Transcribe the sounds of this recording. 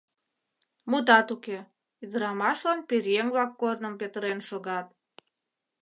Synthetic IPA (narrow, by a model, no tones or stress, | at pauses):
mud̪ɑt̪uke | yd̪əɾɑmɑʃlɑnpirjeŋblɑkːornəmpet̪əɾenʃoɣɑt̪̚